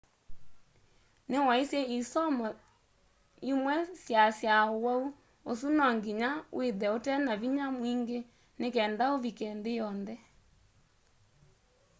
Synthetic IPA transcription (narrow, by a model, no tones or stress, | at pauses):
newaisɛisɔmɔ | imwɛsjasjawau | os̬unɔŋɡiɲawʔeðɛotɛnaβiɲamwiːŋɡe | nekɛːndaoβikɛndejɔndɛ